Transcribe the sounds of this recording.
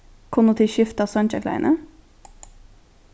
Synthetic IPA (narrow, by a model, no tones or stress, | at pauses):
kʰʊnuːt̪ʰɪʃʏft̪ɑːsœnc͡çɛklæ̰ɪnʔə